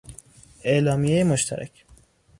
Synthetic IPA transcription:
e̞ʔlɒːmijejemoʃt̪ʰæ̰ɾʔæ̰cʰ

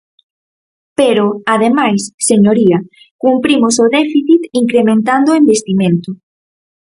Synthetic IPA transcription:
peɾoaðemajsːeɲoɾia | kumpɾimosoðɛfiθit̪iŋkɾemẽnt̪and̪oembest̪imẽnt̪ʊ

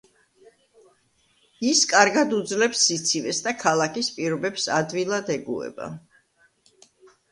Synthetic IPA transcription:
iskʼaɾɡad̪ud̪zlɛpsːit̪sʰivɛsd̪akʰalˠakispʼiɾɔbɛpsad̪vilˠad̪ɛɡṵɛ̰ba̰

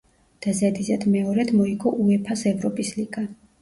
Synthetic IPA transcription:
d̪̥azɛd̪izɛd̪mɛɔɾɛd̪mɔiɡɔʔuɛpʰasɛvɾɔpʼisliɡ̥a

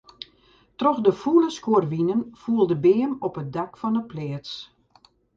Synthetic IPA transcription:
trɔxdəfuləskoərʋinənfuəlˠdəbɪːəmɔpət̚dakfɔnəplɪːəs

